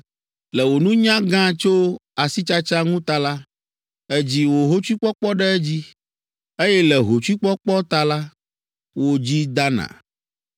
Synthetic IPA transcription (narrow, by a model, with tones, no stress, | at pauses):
lɛ˨wo˨nũ˦ɲã˦ɡã˦t͡ʃo˦a˨si˦t͡ʃa˦t͡ʃa˦ŋũ˦t̪a˦la˦ | ɛ˦d͡ʑi˦wo˨ɦo˦t͡ʃi˦k͡pɔ˦k͡pɔ˦ɖɛ˦ɛ˦d͡ʑi˦ | e˦jɛ˦lɛ˨ɦo˨t͡ʃu˦i˦k͡pɔ˦k͡pɔ˦t̪a˦la˦ | wo˦d͡ʑi˦d̪a˦nã̰˨